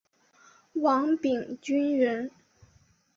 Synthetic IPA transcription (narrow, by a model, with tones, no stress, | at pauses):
wɑ˧˥ŋpi˨˩ŋt͡ɕy˥nɻə˧˥n